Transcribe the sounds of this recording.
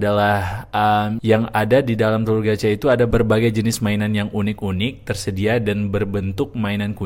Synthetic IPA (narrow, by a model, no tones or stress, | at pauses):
dalahəmjaŋadadidalamt̪əlurɡat͡ʃait̪uadabərbaɡajd͡ʒənɪsmainanjaŋunɪkunɪk̚t̪ərsədiadanbərbənt̪ʊk̚mainanku